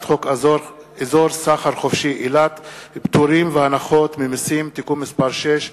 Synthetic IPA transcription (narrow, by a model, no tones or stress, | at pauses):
t̪χok | ezoɾsaχaɾχofʃiʔilat̪pt̪uɾimveanaχot̪mimisimt̪ikumːispaɾʃeʃ